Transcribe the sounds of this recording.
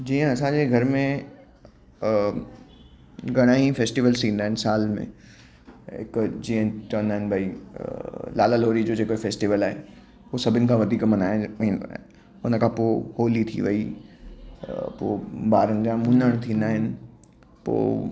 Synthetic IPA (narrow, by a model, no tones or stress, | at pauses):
d͡ʑiːə̃ɐsãːɲd͡ʑeɡʱɐɾmẽ | ɡɐɽ̃aːifeːsʈiʋəlst̪ĩːnd̪aːɦɪnɪsaːlmḛ̃ | ɪ̰kd͡ʑiːə̃t͡ɕɐʋənd̪aːɦɪnɪ̆bʱai | laːlaloːɾid͡ʑoːd͡ʑeːkoɦefeːsʈiʋəlaːɦe | oːsɐbʱɪnɪkʰãʋɐd̪ʱiːkmɐnaːĩːnd̪a̰ | ʊnəkʰãpoːhoːlit̪ʰḭʋɐi | po̰ːbaːɾənd͡ʑãmũnd̪əɽ̃t̪ʰĩːnd̪aːɦɪnɪ̆ | po̰ː